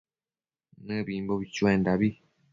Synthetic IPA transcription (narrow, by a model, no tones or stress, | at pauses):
nɨ̃βimboβit͡ʃuẽnd̪aβi